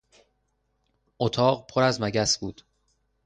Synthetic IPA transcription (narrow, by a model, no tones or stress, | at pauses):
ʔot̪ʰɒːɢpʰoɾæzmæɟæsb̥uːd̪̥